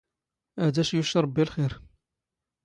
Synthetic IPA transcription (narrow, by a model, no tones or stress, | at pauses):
æd̪æʃjuʃɾˤɑbːilxiɾ